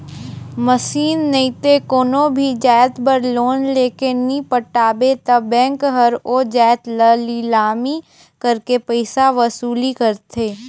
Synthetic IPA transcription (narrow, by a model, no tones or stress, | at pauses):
məsiːnːəit̪ekoːnobʱid͡ʒaːjt̪bəɾloːnleːkenĩpəʈaːbet̪ɐbɛ̃ːŋkɦəɾoːd͡ʒɛːt̪ləlilaːmi | kəɾkepəɪsaʋəsuːlikəɾt̪ʰeː